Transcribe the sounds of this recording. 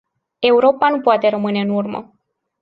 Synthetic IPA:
e̞uɾo̞panupoat̪e̞ɾəmɨne̞ɨnurmə̰

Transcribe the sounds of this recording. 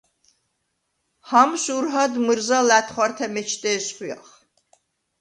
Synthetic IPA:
hɑmʃuɾɦɑd̪mɨɾzɑlæt̪ʰχʷɑɾt̪ʰæmɛt͡ʃʰt̪ɛsχujɑ̰χ

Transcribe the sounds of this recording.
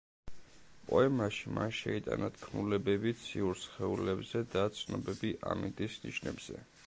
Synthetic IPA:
pʼɔɛmaʃima̰nʃɛit̪ʼa̰nat̪ʰkʰnulɛbɛbit̪sʰiuɾsχɛulɛbzɛd̪at̪sʰnɔbɛbiʔa̰mint̪ʼisniʃnɛbz̥ɛ̰

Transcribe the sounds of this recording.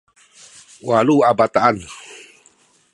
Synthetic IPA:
waluabat̪aʔan

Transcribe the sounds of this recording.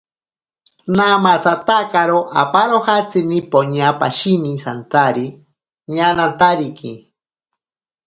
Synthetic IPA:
namat͡sat̪akaɾoʔa̰paɾoxat͡sinipoɲapa̰ʃinisant̪aɾi | ɲanant̪aɾiki

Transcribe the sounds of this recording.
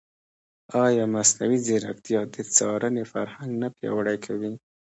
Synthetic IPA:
ɑjɑmasnawizeɾakt̪ijɑd̪ət͡sɑɾənefa̰ɾhaŋɡnapjɑ̰wəɽajkʰawi

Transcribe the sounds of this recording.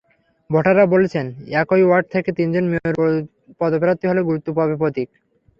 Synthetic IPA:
bʱoʈaɾabolet͡ɕʰenɛkojwaɾɖ̚t̪ʰeket̪ind͡ʑonmioeɾ | pɔd̪opeɾat̪ːiɦoleɡuɾut̪ːopabepot̪ik̚

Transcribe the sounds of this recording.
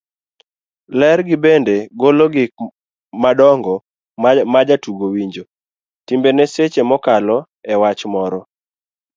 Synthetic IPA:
lɛrɡɪbendeɡoloɡɪk | madɔŋɡɔ | mad͡ʒatuɡowiɲd͡ʒo | timbeneset͡ʃemɔkalɔ | ɛwat͡ʃmɔɾɔ

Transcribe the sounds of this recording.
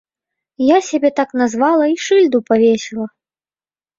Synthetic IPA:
jasʲabʲɛt̪aknazvalˠɐiʂɨlʲd̪upavʲesʲilˠɐ

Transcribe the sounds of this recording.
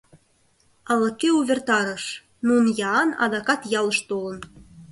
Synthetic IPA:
ɑlɤ̆kːeuβʲert̪ɑɾə̆ʃ | nunjɑnɑ̰d̪ɑkɑt̪jɑlə̆ʃt̪olə̆n

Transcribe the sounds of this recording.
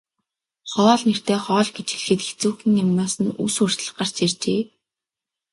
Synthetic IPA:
χɔːɮner̥t̪eːχɔːɮɡet͡ɕxiɮxɘ̆t̪ext͡suːxĭŋjamnʊːsə̆nṵsur̥t̪̆ɮɢar̥t͡ɕʰirt͡ɕeː

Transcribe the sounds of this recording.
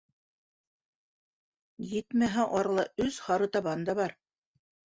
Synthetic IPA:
jɘt̪mæɦæʔɑɾɤlˠɑɵzhɑɾɤt̪ɑβɑnd̪ɑβɑɾ

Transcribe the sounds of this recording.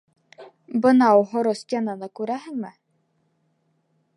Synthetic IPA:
bɤ̆nɑuɦŏɾost̪ʲjɑnɤnɤkʉɾæɦɘ̆ŋmɘ

